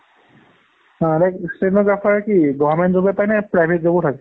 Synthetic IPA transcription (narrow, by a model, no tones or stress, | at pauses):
ãdɛksenoɡɹapʰaɹɛkiɡɔbamɛntzobɛpajnɛpɹajbʱet̚zabɔtʰakɛ